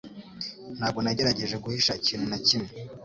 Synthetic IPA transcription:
n̥haːbɡo̞naɟe̞ɾaɟe̞ʒe̞ɡuhiʃaiciːn̤unacimŋe

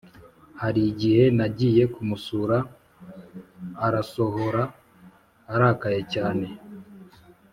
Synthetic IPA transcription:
haɾiɟihe̞naɟiːje̞kumusuɾa | ɾaso̞ho̞ɾaː | ɾakaje̞caːne̞

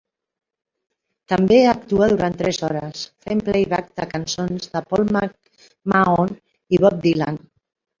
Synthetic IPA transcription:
t̪əmbeəkt̪uəðuɾant̪ɾɛzɔɾəsfemplejβak̚d̪əkansonzðəpɔlˠmak̚ | maon | iβ̞ɔp̚d̪ilan

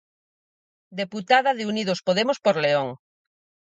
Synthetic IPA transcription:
d̪eput̪aðaðeunið̞ospoðemospoɾleoŋ

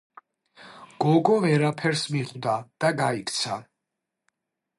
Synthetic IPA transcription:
ɡ̥ɔɡɔvɛɾapʰɛɾsmiqʼwd̪ad̪̥aɡaikʰʼt̪sʰa

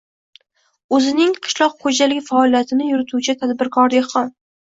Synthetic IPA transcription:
ɵzɪnɪŋqʰɨ̥ʃlˠɒqχod͡ʒalɪkʲfaɒlˠijat̪ʰɪnɪjʊɾɪt̪ʰut͡ʃʰɪt̪ʰad̪bɪɾkʰɒɾd̪eχɒn

